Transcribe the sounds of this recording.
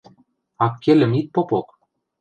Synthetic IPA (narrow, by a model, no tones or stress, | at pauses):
ɑkʰʲːelʲɘ̆mit̪̚popok